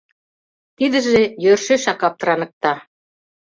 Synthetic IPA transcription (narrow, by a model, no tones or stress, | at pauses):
t̪id̪ə̆ʒejørʃeʃɑkɑp̚t̪ɤ̆ɾɑnə̆k̚t̪ɑ